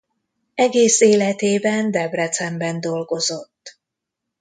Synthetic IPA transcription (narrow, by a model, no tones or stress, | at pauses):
ɛɡeːseːlɛt̪eːbɛnd̪ɛbrɛt̪sɛmbɛnd̪o̞lɡo̞zo̞t̪ː